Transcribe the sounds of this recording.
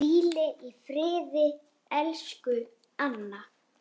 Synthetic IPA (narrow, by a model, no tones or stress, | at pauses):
iːlɪʔifɾɪːðɪ | ɛlskʏ | anːa